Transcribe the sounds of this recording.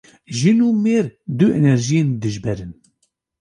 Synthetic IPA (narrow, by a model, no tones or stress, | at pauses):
ʒinuːmeːɾd̪uenɛɾʒijend̪ɨʒbɛɾɨn